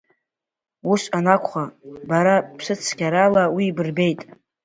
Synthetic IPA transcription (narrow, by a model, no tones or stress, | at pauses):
uʃanakʷʰʼχabaɾapʰʂɨt͡sʰɡʲaɾalawibɨrbe̞jtʼ